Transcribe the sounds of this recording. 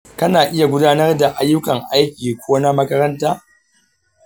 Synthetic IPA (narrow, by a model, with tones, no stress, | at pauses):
kɐ˦naː˨ʔɪ˦ja˨ɡʷʊ˦daː˦nɐ˦rda˨ʔa˦jːʊ˦kɐ˨ŋʔa˦jkʲiː˨kʷoː˦na˦mɐ˦kɐ˦ɾɐ˦ntaː˦